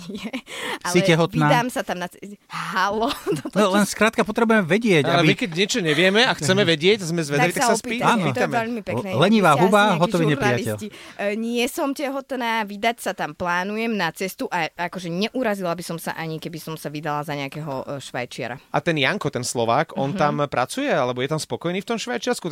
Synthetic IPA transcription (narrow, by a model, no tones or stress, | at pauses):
jɛalsiɛcɛɦɔt̪inaːd̪aːmsat̪amnat͡sɛɦalɔt̪ɔt̪ɔlɛnskɾaːt̪̚kapɔt̪ɾɛbujɛmɛʋɛɟɪɛcalɛbimikɛɟɲɪɛt͡ʃɔɲɛʋɪɛmɛaxt͡sɛmɛʋɛɟɪɛczmɛzʋɛd̪alit̪aasaɔspiːpiːt̪aːnɔit̪amɛʎmipɛknɛlɛɲiʋaːɦubaɦɔt̪ɔʋiɲɛɾnɾijaliɛliɲɪɛsɔmcɛɦɔt̪naːʋid̪acsat̪amplaːnujɛmnat͡sɛst̪uʔaakɔʒɛɲɛʔuɾazilabisɔmsa̰ʔaɲikɛbisɔmsaʋid̪alazaɲɛakɛɦɔ̰ʃʋa̰jt͡ʃɪa̰ɾa̰at̪ɛnjaŋkɔt̪ɛnslɔʋaːkʰɔnt̪ampɾat͡sujɛalɛbɔjɛt̪amspɔkɔjniːft̪ɔmʃʋajt͡ʃɪaɾsku